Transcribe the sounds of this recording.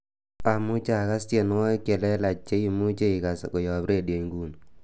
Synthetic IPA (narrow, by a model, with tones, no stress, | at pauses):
a˨mu˦t͡ʃa˦˨ka˦ste˨n˦wɔ˦ke˨lɛ˦la˨t͡ʃːe˦i˨mu˦t͡ʃe˦i˨ka˨sko˨jɔ˨pɾe˦˨dje˨ŋɡu˦n